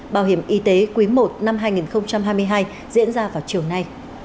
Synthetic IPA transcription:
ɓaː˧˩whi˧˩əmʔi˨˦t̪e˨˦kwi˨˦mo˨˩t̚na˧mɦaː˧jŋi˨˩nxə˧wŋ͡mt͡ɕa˧mɦaː˧jmɨ˧əjɦaː˧j | zḭ˧˥ənzaː˧vaː˨˩wt͡ɕi˨˩əwna˧j

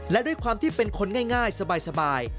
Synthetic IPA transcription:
lɛ˦˥du˥˩əjkʰwaː˧mt̪ʰiː˥˩pe˧nkʰo˧nŋaː˥˩jŋaː˥˩jsa˧baː˧jsa˧baː˧j

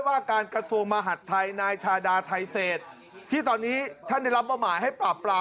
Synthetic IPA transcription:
jwaː˥˩kaː˧nkɾa˧su˧əŋma˧ɦa˨˩t̪ʰːa˧jnaː˧jt͡ɕʰaː˧daː˧t̪ʰa˧jseː˨˩t̪̚ʰː | iː˥˩t̪ɔː˧nːiː˦˥t̪ʰa˥˩nda˥˩jɾa˦˥p̚ba˧wmaː˩˦jɦa˥˩jpɾaː˨˩p̚pːɾaː˧

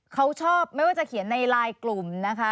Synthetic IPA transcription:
kʰa˦˥wt͡ɕʰɔː˥˩p̚ma˥˩jwaː˥˩t͡ɕa˩kʰi˨˩˦nːa˧jɾaː˧jklu˨˩mna˦˥kʰa˦˥

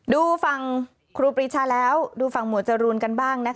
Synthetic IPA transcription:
duː˧fa˧ŋ | kʰɾuː˧pɾi˦˥t͡ɕʰaː˧lɛː˦˥wduː˧fa˧˩ŋmu˩˦t̪̚t͡ɕa˨˧˩ɾuː˧nka˧nbaː˥˩ŋna˦˥k

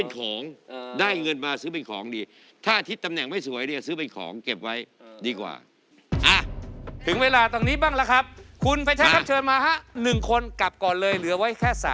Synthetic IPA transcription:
pe˧nkʰɔː˩˦ŋdaː˥˩jŋɤ˧nmaː˧sɯː˦˥p̬e˧nkʰɔ̰ː˩˦ŋdiː˧ | t̪ʰaː˥˩t̪ʰi˦˥t̪ːa˧mnɛ˨˩ŋma˥˩jsu˩˦əjdsɯː˦˥p̬e˧nkʰɔ̰ː˩˦ŋke˨˩p̚wa˦˥j | diː˧kwa̰ː˨˩ | ʔaː˧˩t̪ʰɯ˩˦ŋweː˧laː˧t̪ɔː˧˩niː˦˥baː˥˩la˦˥kʰɾa˦˥p̚kʰu˧nfa˧jt͡ɕʰa˦˥ka˦˥p̚t͡ɕʰɤː˧nmaː˧ɦa˦˥nɯ˨˩ŋkʰo˧nka˨˩p̚kɔː˨˩nlɤː˧jlɯ˩˦ɐwa˦˥jkʰɛː˥˩sa̰ː˨˦

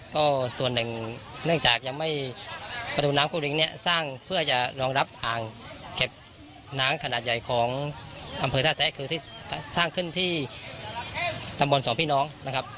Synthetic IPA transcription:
kɔː˥˩su˨˩ənːɯ˨˩ŋ | nɯ˥˩əŋt͡ɕaː˨˩k̚ja˧ŋma˥˩j | pa˧d̪uː˨˩naː˦˥mku˧˩ɾi˧˩ŋni˧˩ɐsaː˥˩ŋpʰɯ˥˩ɐt͡ɕa˨˩ɾɔː˧ŋɾa˦˥p̚ʔaː˨˩ŋke˨˩p̚ | naː˦˥ŋkʰa˧naː˨˩t̪̚ja˨˩jkʰɔː˩˦ŋʔa˧mpʰɤː˧t̪ʰaː˧˥˩sɛː˦˧˥kʰɯː˧iː˧˩˧saː˥˩ŋkʰɯ˧˥˩nt̪ʰiː˥˩ | t̪a˧mbu˧˦nsɔː˩˦ŋpʰiː˥˩˨nɔː˦˥ŋna˧˥kʰa˦˥p̚

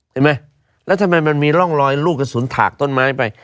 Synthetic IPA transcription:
t͡ɕʰa˥˩ma˦˥j | lɛː˦˥wt̪ʰa˧mːa˧jma˧nmiː˧lɔ˥˩ŋlɔː˧jluː˥˩k̚ka˧suː˩˦nt̪ʰa̰ː˨˩k̚t̪o˥˩nmaː˦˥˩jpa˧j

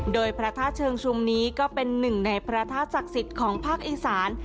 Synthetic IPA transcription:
doː˧jpʰɾa˦˧˥t̪ʰaː˥˩t̪̚t͡ɕʰɤː˧ŋt͡ɕʰu˧mniː˦˥kɔː˥˩pe˧nːɯ˨˩ŋna˧jpʰɾa˦˥t̪ʰaː˥˩t̪̚sa˨˩k̚si˨˩t̪̚kʰɔː˩˦ŋpʰaː˥˩k̚ʔiː˨˩saː˩˦n

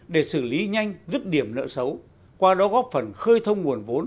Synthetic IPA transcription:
ɗe˧˩sɨ˧˩li˨˦ɲa˧jŋ̟zɨ˦˥t̚ɗi˧˩əmnə̰ː˧˥sə˨˦w | kwaː˧ɗɔ˨˦ɣɔ˦˥p̚fə˨˩nxəː˧jt̪ʰə˧wŋ͡mŋu˨˩ənvo˨˦n

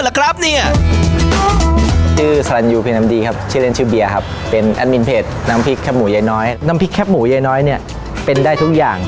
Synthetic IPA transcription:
la˧˦kʰɾa˦˥p̚ni˥˩ɐ | t͡ɕʰɯː˥˩sa˧a˧njuː˧pʰi˧nːa˧˥mdiː˧kʰa˦˥p̚t͡ɕʰɯː˥˩˨e˥˩nt͡ɕʰɯː˥˩bi˧ɐkʰa˦˥pːe˧nʔa̰˧nni˧˦npʰeː˨˩t̪̚na˦˥mpʰi˦˥kʰːɛː˦˥p̚muː˩˦ja˧˩jnɔː˦˥jna˦˥mpʰi˦˥kʰːɛː˦˥p̚muː˩˦ja˧jnɔː˦˥jni˥˩ɐ | pe˧ndaː˥˩jt̪ʰu˦˥k̚jaː˨˩ŋ

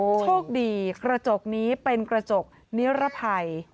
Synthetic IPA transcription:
t͡ɕʰoː˥˩k̚diː˧kɾa˧t͡ɕo˨˩k̚niː˦˥pe˧nkɾa˧t͡ɕo˨˩k̚ | ni˦˥ɾa˦˥pʰa˧j

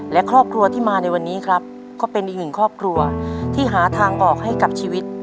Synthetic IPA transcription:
lɛ˦˥kʰɾɔː˥˩p̚kʰɾu˧ɐt̪ʰiː˥˩maː˧na˧jwa˧nːiː˦˥kʰɾa˦˥p̚ | kɔː˥˩pe˧nʔi˨˩k̚nɯ˨˩ŋkʰɾɔː˥˩p̚kʰɾu˧ɐt̪ʰiː˥˩ɦaː˩˦t̪ʰaː˧ŋʔɔː˨˩k̚ɦa˥˩jka˨˩p̚t͡ɕʰiː˧wi˦˥t̪̚

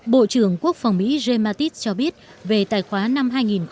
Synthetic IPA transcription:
ɓo̰˧˨t͡ɕɨ˧˩əŋku˦˥ək̚fa˨˩wŋ͡mmḭ˧˥ze˧maː˧t̪i˦˥t̚t͡ɕɔ˧ɓi˦˥ət̚ | ve˨˩t̪aː˨˩jxwaː˨˦na˧mɦaː˧jŋi˨˩nx

